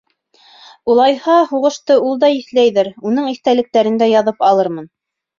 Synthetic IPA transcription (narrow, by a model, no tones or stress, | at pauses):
ulˠɑjhɑhuʁɤ̆ʃt̪ɤulˠd̪ɑiθlæjðɘɾunɤɴiθt̪ælɘ̆k̚t̪æɾɘ̆nd̪æjɑðɤpɑlˠɤɾmɤn